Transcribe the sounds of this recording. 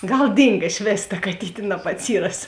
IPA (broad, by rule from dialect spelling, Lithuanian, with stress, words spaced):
ˈɡɐlˠ ˈdʲiːŋɡɐ ɪʃ ˈʋʲeːs tɐ kɐˈtʲiːtʲeː nɐbɐtʲˈsʲiːrɐs